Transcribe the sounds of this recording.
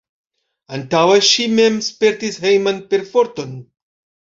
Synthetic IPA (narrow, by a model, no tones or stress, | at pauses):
antaweʃimemspe̞ɾtishejmanpe̞ɾfoɾton